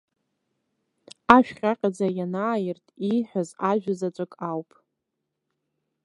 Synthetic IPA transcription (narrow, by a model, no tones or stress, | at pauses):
aʃᶣχʲaqʲʼad͡zajanaːjɪrtʼijħʷᶣazaʒᶣazat͡sʷʼɨkʼawpʼ